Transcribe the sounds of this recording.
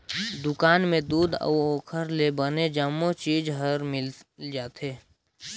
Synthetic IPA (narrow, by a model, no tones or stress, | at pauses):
d̪ʊkaːnmẽd̪uːd̪ə̰uoːkʰəɾlebəned͡ʒəmːot͡ʃiːd͡ʒɦəɾmɪld͡ʒaːt̪eː